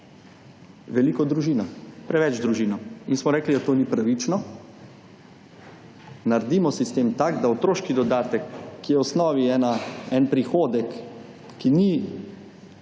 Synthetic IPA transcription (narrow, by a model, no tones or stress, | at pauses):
ʋɛlikɔd̪ɾuʒiːnapɾɛʋɛt͡ʃd̪ɾuʒiːnɔinsmɔɾɛːklid̪at̪oːnipɾaʋit͡ʃnɔ | naɾd̪imɔsist̪eːmt̪akd̪aot̪ɾoːʃkid̪ɔd̪aːt̪ɛkːijɛɔsnɔːʋiɛnaɛnpɾixoːd̪ɛkː | ini